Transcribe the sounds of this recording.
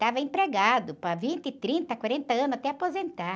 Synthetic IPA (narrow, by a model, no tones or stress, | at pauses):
t̪avɐẽpɾeɡad̪ʊpɐvĩnt̪ɪt̪ɾĩnt̪ɐkwaɾẽnt̪ɐɐ̃nʊzat̪ɛapozẽnt̪aɾ